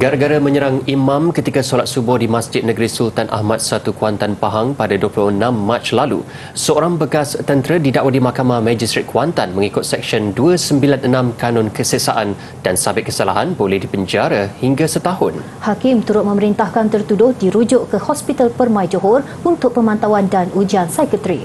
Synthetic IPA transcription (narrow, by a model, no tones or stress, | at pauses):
ɡaɾaɡaɾamə̃ɲəɾaŋimãmkət̪ikasolat̪̚subʊhdimasd͡ʒɪt̪̚nəɡɾisult̪anʔa̰hmat̪̚sat̪ukuant̪anpaɦaŋpadaduəplʊhənãmːat͡ʃlalṵ | səoɾaŋbəkast̪ənt̪ɾədidaʔwadimahkamahmãd͡ʒist̪ɾit̪̚kʰwant̪anmə̃ŋikʊt̪̚sɛk̚ʃənduəsəmbilanənãmkanɔnkəsəsaʔan | d̥ansabɪt̪̚kəsalaɦanbolɛhdibəɲd͡ʒaɾahiŋɡasət̪aɦʊn | hakɪmt̪uɾʊt̪̚mə̃məɾint̪ahkant̪ərt̪udʊhdiɾud͡ʒʊʔkəhɔspit̪alpərmãjd͡ʒoɦɔr | unt̪ʊk̚pəmãnt̪awandanud͡ʒiansajkət̪ɾi